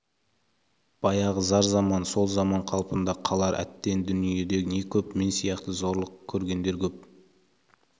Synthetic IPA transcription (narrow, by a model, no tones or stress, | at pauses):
b̥ɑjɑʁəzɑɾzɑmɑnso̞lˠzɑmɑɴqʰɑlˠpənd̪ɑqʰɑlˠɑɾʔæ̰t̪ːe̞nd̪ʏnije̞d̪e̞ɡne̞kʲʰɵpme̞nsijɑqt̪əzo̞ɾlˠəqkʲʰːɵɾɡʲe̞nd̪e̞ɾkʲʰɵp̚